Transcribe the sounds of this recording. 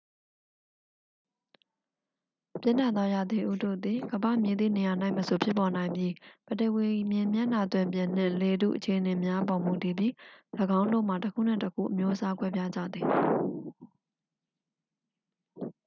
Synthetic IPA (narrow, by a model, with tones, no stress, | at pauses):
pjɪ̰̃˦˨n̥a˦˨ɔ˦ja˨d̪i˨ʔṵ˦˨do̰˦˨d̪i˨ɡəbä̰˦˨mjɪ̃˨d̪ðḭ˦˨ne˨ja˨na˦ɪməso˨pʰjɪ˦pːɔ˨nã˨ɪ̃mbji˦b̥ə˨də˨wi˨mjɪ̃˨mjã̰˦˨na˨t̪wɪ̃˨mpjɪ̃˨n̥ɪ̰̃˦˨le˨dṵ˦˨ʔət͡ɕʰe˨ʔəne˨mja˦bɔ˨mu˨ti˨bji˦ləɡã˦ʊ̃ndo̰˦˨m̥a˨təkʰṵ˦˨n̥ɪ̰̃˦˨təkʰṵ˦˨ʔə˨mjo˦ʔəsa˦kwɛ˦bja˦d͡ʑa̰˦˨d̪ði˨